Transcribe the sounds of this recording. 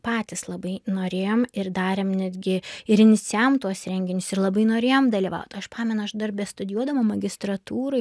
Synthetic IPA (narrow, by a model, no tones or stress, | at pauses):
pɑːt̪ʲɪslˠɐbɐɪnoːɾʲeːjoːmɪrd̪ɑːɾʲeːmnʲɛd̪ʲɡʲɪɪɾɪnʲɪtsʲɛmt̪uɔsɾʲɛŋʲɡʲɪnʲʊsɪɾlˠɐbɐɪnoːɾʲeːjoːmd̪ɐlʲiːʋɐ̰ʊt̪ɐʃpɑːmʲɛnʊɐʃd̪ɐrʲbʲɛst̪ʊd̪ʲɪjuɔd̪ɐʋoːmɐɡʲɪst̪ɾɐt̪uːɾɐ